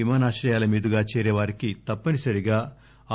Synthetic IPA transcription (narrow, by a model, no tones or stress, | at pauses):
imaːnaːt͡ʃɾɐjaːlɐmiːd̪uɡaːt͡ʃɛːɾɛːʋaːɾikit̪ɐpːɐnisɐɾiɡaː